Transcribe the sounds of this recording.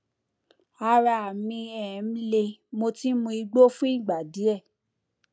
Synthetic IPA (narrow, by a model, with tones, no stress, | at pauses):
a˧ɾa˧˨a˨mĩ˧ɛ˨n̩˦le˧mo˧ti˦mũ˧i˧ɡ͡bo˦fũ˦i˦˨ɡ͡ba˨di˨˦ɛ˦˨